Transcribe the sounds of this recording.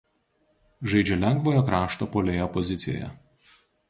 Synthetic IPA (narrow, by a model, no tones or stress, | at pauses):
ʒɐɪd͡ʒʲɛlʲɛŋɡʋoːjokɾɑːʃt̪oːpoːlʲeːjoːpɔzʲɪt̪sʲɪjo̰ːjɛ̰